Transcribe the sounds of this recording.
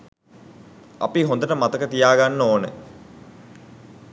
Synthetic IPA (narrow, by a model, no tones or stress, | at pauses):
ɐ̰piɦõnd̪əʈəmat̪əkət̪ijaːɡanːoːnə